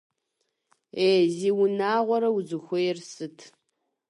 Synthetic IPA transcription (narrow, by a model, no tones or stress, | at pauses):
eːziːwʊnaːʁʷɔɾɐwzɨxʷʊjɛrsɨtʰ